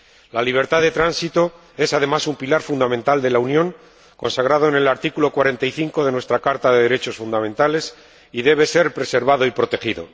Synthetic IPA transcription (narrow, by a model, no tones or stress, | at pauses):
laliβ̞e̞ɾt̪aðe̞t̪ɾansit̪o̞ | e̞sað̞e̞masumpilaɾfund̪amẽnt̪ald̪e̞launjõ̞ŋ | ko̞nsaɣɾað̞o̞ene̞laɾt̪ikulo̞kwaɾe̞nt̪aiθiŋko̞ðe̞nwe̞st̪ɾakaɾt̪aðeðeɾe̞t͡ʃo̞sfund̪amẽ̞nt̪ale̞s | iðe̞β̞e̞se̞ɾpɾe̞se̞ɾβaðo̞ipɾo̞t̪e̞xiðo̞̰